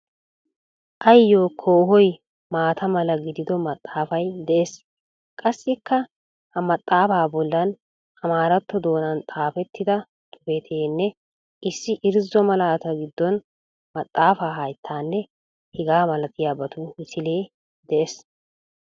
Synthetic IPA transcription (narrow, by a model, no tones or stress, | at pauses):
ʔɐjjːo̞ːkʰo̞ːɦɔj | maːt̪ʰɐmɐlɐɡɪd̪ɪd̪ɔmɐt̪ʼːaːfɐjd̪ɛʔes | kʼɐsːɪkːɐ | hɐmɐt̪ʼːaːfaːbɔlːɐn | ɐmaːɾɐt̪ːɔd̪o̞ːnɐnt̪ʼaːfɛt̪ːɪd̪ɐ | t̪ʼʊbet̪ʰeːnːɛ | ʔɪsːɪʔɪɾzɔmɐlaːt̪ɐɡɪd̪ːɔn | mɐt̪ʼːaːfaːɦɐjt̪ʰːaːnːɛ | hɪɡaːmɐlɐt̪ʰɪjaːbɐt̪ʊmɪsɪleː | d̪ɛʔes